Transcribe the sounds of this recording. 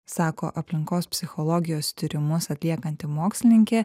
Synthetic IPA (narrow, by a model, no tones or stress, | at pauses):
sɑːko̰ːʔɐpʲlʲɪŋkoːspʲsʲɪxɔlˠɔːɡʲɪjoːst̪ʲɪɾʲɪmʊsɐt̪ʲlʲiɛkɐnʲt̪ʲɪmoːksʲlʲɪnʲɪŋʲkʲeː